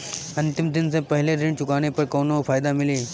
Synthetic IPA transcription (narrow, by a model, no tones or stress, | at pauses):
ɐ̃nt̪ɪmd̪ɪnsẽpəɦɪleɾiɳt͡ʃʊkañepəɾkoːnofʰaːjd̪amɪliː